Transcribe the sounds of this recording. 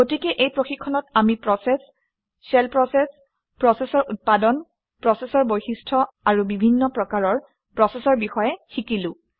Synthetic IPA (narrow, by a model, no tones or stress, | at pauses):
ɡotikɛʔejpɹoxikʰːɔnɔtamipɹɔsɛs | sɛlpɹɔsɛs | pɹɔsɛsɔɹʔut̚padɔn | pɹɔsɛsɔɹbojxistʰɔ | aɹubibʱinːɔpɹɔkaɹɔɹ | pɹɔsɛsɔɹbixɔjɛxikilʊ̃